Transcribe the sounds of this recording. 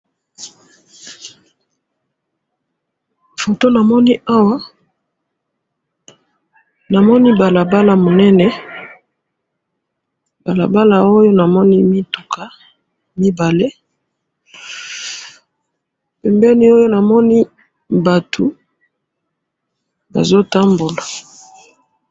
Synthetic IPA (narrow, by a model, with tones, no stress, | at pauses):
fo˨to˦na˨mɔ˦ni˦ʔa˦wa˦ | na˨mɔ˦ni˦ba˨la˨ba˦la˨mo˨nɛ˦nɛ˦ | ba˨la̰˨ba˦la˨o˦jo˦na˨mɔ˦ni˦mi˦tu̥˨ka˨˦ | mi˦ba˨le˦ | pɛ˨mbɛ˦ni˦o˦jo˦na˨mɔ˦ni˦ | ba˨tʰu˨ | ba̰˨zo˦ta˦mbo˨la˨